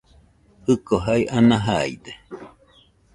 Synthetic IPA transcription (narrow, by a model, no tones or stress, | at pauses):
ɨkoɦaiʔanaɦaḭd̪e